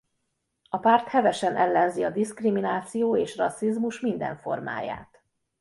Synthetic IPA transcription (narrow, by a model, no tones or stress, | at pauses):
ɒpaːrt̪hɛvɛʃɛnʔɛlːɛnziɒd̪iskriminaːt̪sijoːeːʃrɒsːizmuʃmind̪ɛ̰ɱfo̞̰rma̰ːja̰ːt̪